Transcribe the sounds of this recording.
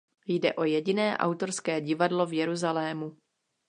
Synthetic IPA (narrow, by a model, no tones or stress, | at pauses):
jdɛ̰ʔo̞jɛɟɪnɛːʔa̰wt̪o̞ɾskɛːɟɪvadlovjɛɾuzalɛːmu